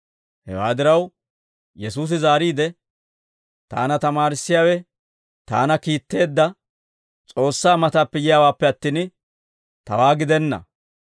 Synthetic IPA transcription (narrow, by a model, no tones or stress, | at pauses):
hɛ̰wa̰ːd̪ɪɾɐw | jɛsuːs̬ɪzaːɾiːd̪ɛ | t̪a̰ːnɐt̪ɐmaːɾɪsːɪjaːwɛ | t̪a̰ːnɐkiːt̪ːe̞ːd̪ːɐ | t͡sʼo̞ːsːaːmɐt̪aːpːɛjɪjaːwaːpːɛɐt̪ːiːn | t̪ɐ̰waːɡɪd̪ɛnːɐ̰